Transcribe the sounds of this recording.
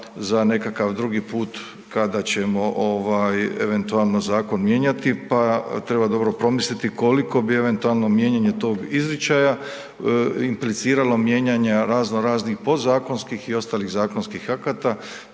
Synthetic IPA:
zane̞kakaʋd̪ɾuɡiːpuːt̪ | kad̪at͡ɕe̞mo̞ʔoʋaːje̞̰ʋe̞nt̪ualˠnozaːko̞nmje̞ːɲat̪ipat̪ɾe̞bad̪o̞bɾo̞pɾo̞mislit̪iko̞liko̞bie̞ʋe̞nt̪ualˠno̞mje̞ɲaɲe̞t̪o̞ːɡizɾit͡ɕaːja | implit̪siːɾalo̞mje̞ːɲaɲaɾaːznoɾaːznixpo̞zaːko̞nskixio̞st̪aːliɣzaːkonskixakat̪a

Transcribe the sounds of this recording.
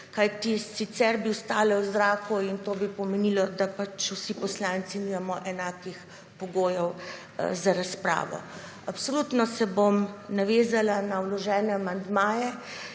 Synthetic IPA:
kajt̪isit̪sɛɾbiwst̪aːlɛwzɾaːkuint̪oːbipɔmɛnilɔd̪apat͡ʃwsipɔslaːnt̪siniːmamɔʔɛnaːkix | pɔɡoːjɛw | zaɾaspɾa̰ːʋɔ̰ | apsolut̪nɔsɛbomnaʋeːzalanawlɔʒɛːnɛamand̪maːjɛ

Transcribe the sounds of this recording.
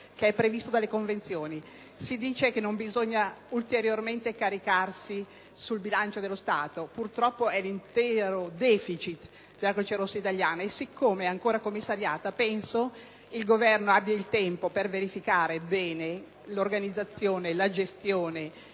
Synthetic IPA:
keɛpːɾevist̪od̪alːekoɱvent̪sjoːni | sid̪iːt͡ʃekenːombizoɲːault̪eɾjorment̪ekaɾikarsi | sulbilant͡ʃod̪elost̪aːt̪opurt̪ɾɔpːoɛlint̪ɛːɾod̪ɛːfit͡ʃit̪ | d̪elːaket͡ʃaɾosːait̪aʎːjaːnaesikʰːomeɛaŋkoːɾakomːisːaɾjaːt̪apɛnso | ilɡovɛrnoabjailt̪ɛmpoperveɾifikaːɾebɛːne | lorɡanid̪zːat̪sːjoːnelad͡ʒest̪joːne

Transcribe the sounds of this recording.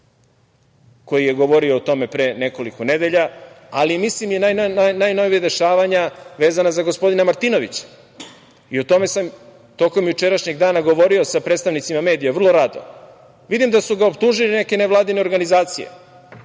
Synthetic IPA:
ko̞jijeɡo̞ʋo̞ɾio̞ːt̪o̞me̞pɾeːne̞ko̞likone̞d̪e̞ʎa | alimislimjenajnnanajno̞ʋijad̪e̞ʃaːʋaɲaʋe̞ːzanazaɡospo̞d̪inamaɾt̪inoʋḭt͡ɕḁ | iot̪o̞me̞sam | t̪o̞ko̞mjut͡ʃeɾaʃɲeɡd̪aːnaɡo̞ʋo̞ɾio̞sapɾet̪t̪aʋnit̪simame̞ːd̪ijaʋr̩lˠo̞ɾad̪o̰ | ʋid̪imd̪asuɡaopt̪uʒiline̞ke̞neʋlˠaːd̪ine̞oɾɡanizaːt̪sije̞̰

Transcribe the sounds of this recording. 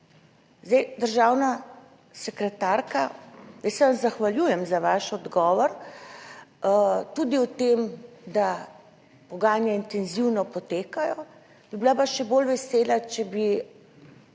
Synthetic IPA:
zd̪ɛjd̪əɾʒaːwna | sɛkɾɛt̪aːɾkajəssɛʋazzaxʋaljuːjɛmzaʋaʃɔd̪ɡɔːʋɔɾ | t̪ud̪iwt̪emd̪a | pɔɡaːnjɛint̪ɛnziwnɔpɔt̪eːkajɔ | b̥ibilapaʃɛbolʋɛseːlat͡ʃɛbi

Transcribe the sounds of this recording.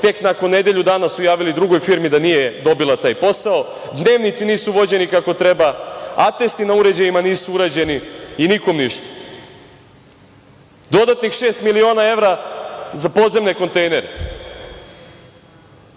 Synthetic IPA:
t̪e̞knako̞nːe̞d̪e̞ʎud̪aːnasujaːʋilid̪ɾuɡo̞jfiɾmid̪anijed̪o̞bilˠat̪aːjpo̞sao̞ | d̪ne̞ːʋnit̪siniːsuʋo̞d͡ʑe̞nikako̞t̪ɾe̞baat̪e̞st̪inauɾe̞d͡ʑajimaniːsuuɾad͡ʑe̞niiniko̞mniʃt̪ḁ | d̪o̞d̪at̪nixʃe̞ːst̪milio̞ːnae̞ʋɾazapo̞ːd̪ze̞mne̞ko̞nt̪ejne̞ɾe

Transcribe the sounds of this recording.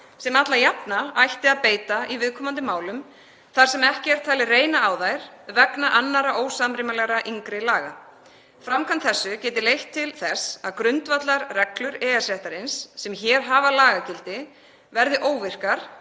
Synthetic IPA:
sɛmat̪lajapnaajht̪ɪaðpeːjt̪aivɪðkʰɔːmant̪ɪmaːwlʏm | θaɾ̥sɛmɛhcɪɛɾ̥t̪ʰaːlɪreːjnaːwðajɾ̥vɛknaʔanːaɾaʔoːwsamɾɪmalɛɣɾaʔiŋkɾɪlaːɣa | fɾamkʰant̪θɛsːʏcɛːt̪ɪlejht̪ʰːɪlθɛsaðkɾʏnt̪vat̪laɾrɛklʏɾɛːasɛht̪aɾɪnsːɛmçɛːɾ̥ɦaːvalaːɣacɪlt̪ɪ | vɛɾðɪʔoːwvɪr̥kaɾ̥

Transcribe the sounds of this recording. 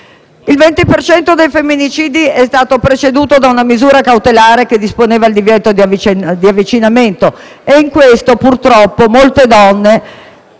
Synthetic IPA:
ilvɛnt̪ipert͡ʃɛnt̪od̪ejfemːinit͡ʃiːd̪iɛst̪aːt̪opɾet͡ʃed̪uːt̪od̪aunamizuːɾakawt̪elaːɾeked̪ːisponeːvald̪ivjɛt̪od̪iavit͡ʃd̪iavːit͡ʃinament̪o | eiŋkwest̪opurt̪ɾɔpːomolt̪ed̪ɔnːe

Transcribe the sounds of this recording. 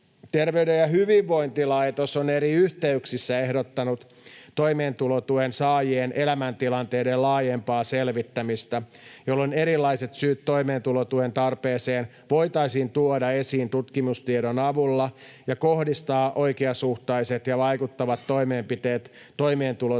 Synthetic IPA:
t̪erʋeydejjɑɦyʋiʋːo̞int̪ilɑit̪osoneɾiyht̪eyksisːæehdot̪ːɑnut̪ː | o̞jmeːnt̪ulot̪uensɑːjieːnʔe̞læmænt̪ilɑnt̪e̞ːdellɑːjempɑːselʋit̪ːæmist̪æ | jolːone̞ɾilːɑiset̪syːt̪ːo̞imeːnt̪ulot̪uent̪ɑrpe̞ːseːn | ʋo̞it̪ɑisint̪uodɑe̞siːnt̪ut̪kimust̪ieɾonɑʋulːɑ | jɑko̞hdist̪ɑːʔo̞ikeɑsuht̪ɑjset̪jɑʋɑjkut̪ːɑʋɑt̪ːo̞jmeːmpit̪eːt̪ː | o̞imeːnt̪ulo

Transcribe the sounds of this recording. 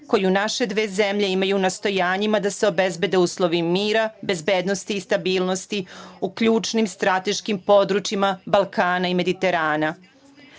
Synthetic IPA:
ko̞junaʃe̞d̪ʋeːzemʎe̞imajuːnast̪o̞jaːɲimad̪aseo̞be̞zbe̞d̪e̞uːslˠo̞ʋimiːɾabe̞zbe̞ːd̪nost̪iːst̪abiːlˠnost̪iukʎuːt͡ʃnimst̪ɾat̪e̞ʃkimpo̞d̪ɾut͡ʃimabalˠkaːnaime̞d̪it̪e̞ɾaːna

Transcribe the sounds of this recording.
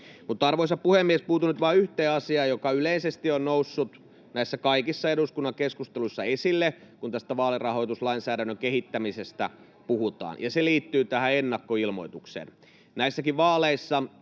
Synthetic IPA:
mut̪ːɑrʋoisɑppuhemːiespuːt̪unyt̪ʋɑːyht̪eːɑsiɑːjokɑyleisest̪ionnousːut̪ | næisːækɑikisːɑeɾuskunːɑŋkeskust̪eluisːɑesilːe | kunt̪æst̪æʋɑːlerɑho̞it̪uslɑinsæːdænːøŋkehit̪ːæmisest̪æ̰ | puhut̪ɑ̰ːnjɑseliːt̪ːyːt̪æhæenːɑkːoilmo̞̰it̪uksḛːn | næisːækiʋʋɑːleisːɑ

